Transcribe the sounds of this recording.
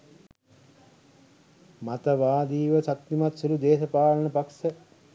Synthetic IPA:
mat̪əʋaːd̪iːʋəsat̪nimat̪sulud̪eːsəpaːlənəpaksə

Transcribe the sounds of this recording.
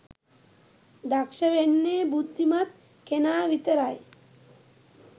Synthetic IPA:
d̪akʃəʋenːeːbud̪ːimat̪̚ | kenaːʋit̪əɾaj

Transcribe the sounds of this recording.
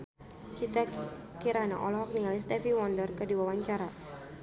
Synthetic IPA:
t͡ʃit̪a | kiɾana̰ʔɔlɔɦɔk̚nialist̪ɛfiwɔndərkədiwawaɲt͡ʃaɾa

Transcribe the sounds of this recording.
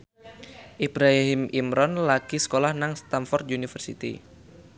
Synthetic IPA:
ʔibɾaɦimimɾɔnlakisə̥kolahnaŋst̪amfɔrt̪̚iunifərsit̪ḭ

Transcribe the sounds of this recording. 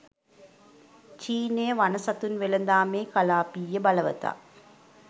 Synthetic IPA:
t͡ɕiːneːʋɐnɐsɐt̪ːunʋelɐnd̪aːmeːkɐlaːpiːjɐbɐlɐʋɐ̰t̪a̰

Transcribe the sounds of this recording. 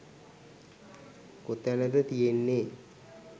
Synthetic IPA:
kot̪ænəd̪ət̪ijenːe

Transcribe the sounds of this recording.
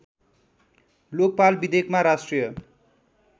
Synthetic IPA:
lok̚palbid̪ekmaɾasʈrijʌ

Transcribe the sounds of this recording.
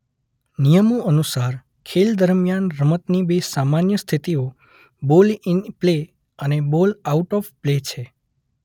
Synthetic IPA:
nijəmuənusaɾ | kʰeld̪əɾmjanɾəmət̪nibesamanjəst̪ʰit̪io | bolinple | ənebolauʈɔfplet͡ʃʰe

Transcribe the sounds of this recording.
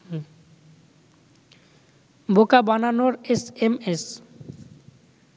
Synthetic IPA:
bʱokabananoɾesemes

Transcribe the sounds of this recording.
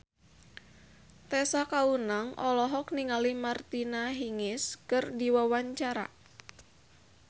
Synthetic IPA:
t̪ɛsakaunaŋʔɔlɔɦɔk̚niŋalimart̪inaɦiŋɪskɨrdiwawaɲt͡ʃaɾa̰

